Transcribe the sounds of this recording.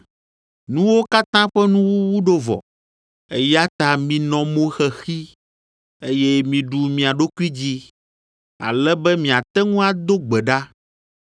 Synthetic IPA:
nũ˦wo˦ka˦t̪ã˦ɸɛ˦nũ˦wu˦wu˦ɖo˦vɔ̰˨ | e˦ja˦t̪a˨mĩ˨nɔ̃˨mõ˦xɛ˨xi˦ | e˦jɛ˦mĩ˨ɖu˨mĩ˨a˨ɖo˦ku˦i˦d͡ʑi˦ | a̰˨lɛ˦bɛ˦mĩ˨a˨t̪ɛ˦ŋũ˦a˨d̪o˦ɡ͡bɛ˨ɖa˦

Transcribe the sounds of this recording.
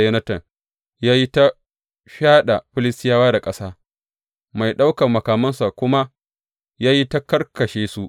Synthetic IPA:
jɐ˦nɐ˦tɐ˨ŋ | jaː˦ji˦ta˦ | ɸaː˦ɗa˨ɸɪ˦lɪ˦stɪ˦jaː˦waː˦da˨kʼɐ˦saː˦ | ma˨jɗa˦wkɐ˨mɐ˨kaː˨mɐ˦nsa˨kʷʊ˦ma˦ | jaː˦ji˦ta˦kɐ˦rkɐ˨ʃeː˦su˨ʔ

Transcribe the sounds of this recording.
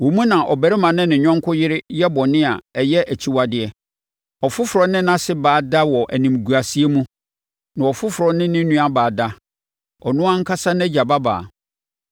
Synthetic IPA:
wɔ˨mũ˦nã˨ʔɔ˨bæ˨ɾɪ˦mã˨nɪ̃˦nɪ̃˨ɲᶣɔ̃˦ŋ˦kʰʊ˦jɪ˦ɾɪ˦jɛ˦bɔ˨nɪ̃˦a˨ɛ˨jɛ˦ʔæ˨t͡ɕʰi˦wa˨dɪ˨ɛ˨ | ɔ˨fʊ˦fʊ˨ɾɔ˦nɪ̃˦nã˦sɪ˦baː˨da˦wɔ˨ʔæ̰˨nĩ˨m˨ɡu˨a˨si˦e˦mũ˦ | nã˨ɔ˨fʊ˦fʊ˨ɾɔ˦nɪ̃˦nɪ̃˦nːũ˦a˨baː˨da˦ | ɔ̰˨nʊ̃˦ã˦ŋ̩˦kʰa˦sa˦nɛ˦d͡ʑa˨ba˦ba̰ː˨

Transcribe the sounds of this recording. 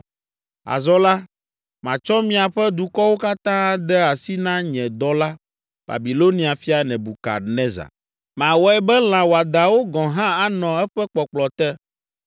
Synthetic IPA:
a̰˨zɔ˦la˦ | mã˨t͡ʃɔ˦mĩ˦a˨ɸɛ˦d̪u˨kɔ˦wo˦ka˦t̪ã˦a˦d̪ɛ˦a˨si˦nã˦ɲɛ̃˨d̪ɔ˦la˦ | b̥a̰˨bi˨lo˦nĩ˨˦a˨fi˦a˨nɛ̃˨bu˨ka̰˨nɛ̃˦za̰˨ | mã˨wɔ˦ɛ˦bɛ˦l̃ã˨wo˨a˨d̪a˨wo˦ɡɔ̃˨ɦã˦a˦nɔ̃˨ɛ˦ɸɛ˦k͡pɔ˨k͡plɔ˨t̪ɛ˦

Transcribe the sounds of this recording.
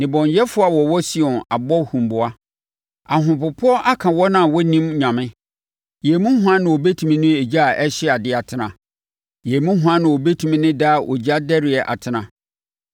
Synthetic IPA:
nɪ̃˨bɔ̃˨njɛ˦fʊ˦a˨wɔ˨wɔ˦sɪ˦ɔ̃˨na̰˨bɔ˦hũ˨mbʊ˨a˦ | a˨ɦʊ̃˨pʊ˨pʰʊ˦ɔ˦ʔa˦kʰã˨wɔ˦nã˦˨wɔ˦nĩ˦mɲã˨mɪ̃˦ | jɛ˨mũ˦ɦʊ̃˦ã˦nɪ̃˨ɔ˨be˦tʰũ˨mĩ˦nʊ̃˦e˨d͡ʑa˦a˨ʔɛ˦ɕɪ˦a˨dɪ˦a˨tʰɪ˨nã˨ | jɛ˨mũ˦ɦʊ̃˦ã˦nã˨ɔ˨be˦tʰũ˦mĩ˦nɪ̃˦da˦˨ʔɔ̰˨d͡ʑa˦dɛ˦ɾɪ˨ɛ˨ʔa̰˨tʰɪ˨nã˨

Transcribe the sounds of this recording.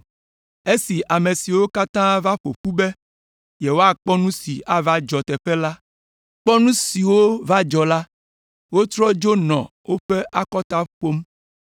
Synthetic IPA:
e˦si˨ʔa˨me˨si˨wo˦ka˦t̪ã˦va˦ɸo̰˨ɸu˦be˦ | je˨wo˦a˦k͡pɔ˦nũ˦si˨ʔa˦va˦d͡ʒɔ˨t̪ɛ˨ɸɛ˦la˦ | k͡pɔ˦nũ˦si˨wo˦va˦d͡ʒɔ˨la˦ | wo˦t̪ɾɔ˦d͡ʒo˦nɔ̃˨wo˦ɸe˦ʔa˦kɔ˦t̪a˦ɸo˦m

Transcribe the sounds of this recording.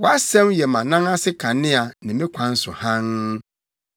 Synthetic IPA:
wɔ˨˦a˦sɛ̃˦mjɛ˨mã˨nã˦ŋa˦sɪ˦kʰã˨nɪ̃˦a˨nɪ̃˨mɪ̃˦kʷʰã˨n̩˦sʊ˨hã˦n

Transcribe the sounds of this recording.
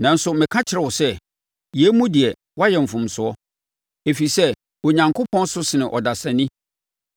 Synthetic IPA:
nã˨n̩˦sʊ˨mɪ̃˨kʰã˦t͡ɕʰɪ˨ɾɛ˨wʊ˨sɛ˦ | jɛ˨˦mũ˦dɪ˨ɛ˨ | wa˦jɛ˨m̩˨fʊ̃˨m˨sʊ˨ɔ˦ | e˨fi˨sɛ˦ | o˨ɲã˨ŋkʰʊ˦pʰɔ̃˦n˦sʊ˦sɪ˨nɪ̃˨ʔɔ˨da˨sã˨nĩ˦

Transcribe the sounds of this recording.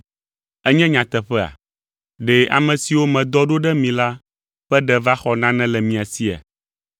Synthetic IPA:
ɛ˦ɲɛ̃˦ɲã˨t̪ɛ˨ɸɛ˦a̰˨ | ɖɛ˨ʔa̰˨mɛ̃˨si˨wo˦mɛ̃˨d̪ɔ˦ɖo˦ɖɛ˦mĩ˨la˦ | ɸɛ˦ɖɛ˨va˦xɔ˨nã˦nɛ̃˦lɛ˨mĩ˨a˨si˦a̰˨

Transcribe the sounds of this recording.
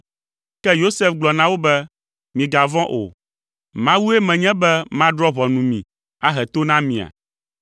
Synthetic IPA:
kɛ˦jo˦sɛ˦fɡ͡blɔ˨nã˦wo˦bɛ˦ | mĩ˨ɡa˨vɔ̃˦ʔo̰˨ | mã˦wu˦e˦mɛ̃˨ɲɛ̃˦bɛ˦mã˦ɖɾɔ˦βɔ˨nũ˨mĩ˨ | a˦ɦɛ˨t̪o˦nã˦mĩ˨a̰˨

